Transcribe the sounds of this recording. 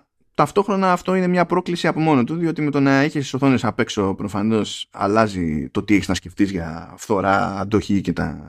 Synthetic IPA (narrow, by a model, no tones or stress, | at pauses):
t̪ɐft̪o̞xɾo̞nɐːft̪o̞ine̞mɲɐpɾo̞klisiɐpo̞mo̞not̪uðio̞t̪ime̞t̪o̞nɐiçisiso̞θo̞nesɐpe̞kso̞pɾo̞fɐno̞sɐ̰lɐzḭt̪o̞t̪ieçiznɐsce̞ft̪izʝɐ̰fθo̞ɾɐ̰ːd̪o̞çice̞t̪ɐ̰